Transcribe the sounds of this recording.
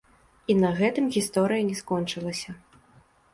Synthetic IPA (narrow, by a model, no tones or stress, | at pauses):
inɐɣɛt̪ɨmɣʲist̪ɔɾɨjɐnʲɛskɔnt͡ʂɨlˠɐsʲɐ